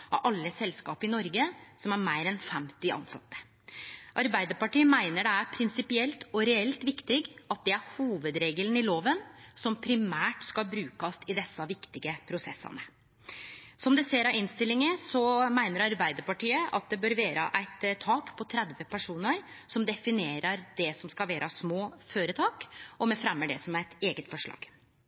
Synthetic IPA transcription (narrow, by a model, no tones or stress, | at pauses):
ɑ̰ʔɑlːəsɛlskɑːpəɪnɔɾɡəsɔmæɾmæɪɾɛnfɛmt̪ɪʔɑ̰nsɑ̰t̪ːə̥ | ʔɑɾbæɪd̪əɾpɑʈiːəmæɪnəɖɛæɾpʰɾɪnsɪpɪɛlt̪ɔɾɛɛlt̪ʋɪkt̪ɪɡɑt̪̚d̪ɛæɾhuːʋəd̪ɾeːɡələnɪloːʋənsɔmpʰɾɪmæːʈskɑlbɾʉːkɑsɪd̪ɛsːɑʋɪkt̪ɪɡəpʰɾʊsɛ̰sːɑ̰nə | sɔmd̪ɛseːɾɑɪnst̪ɪlːɪŋəsɔmæɪnəɾɑɾbæɪd̪əɾpɑʈiːəʔɑ̰t̪̚d̪ɛbøːɾʋeːɾə̰ʔæɪt̪t̪ʰːɑːkpʰɔt̪ʰɾæd̪ʋəpʰæʂuːnəɾsɔmd̪ɛfɪneːɾəɾd̪ɛsɔmskɑlʋæːɾʔəsmoːføːɾət̪ʰɑːkɔmɛfɾɛmːəɖɛsɔmæɾɛt̪eːɡət̪fɔʂɭɑ̰ːɡ̥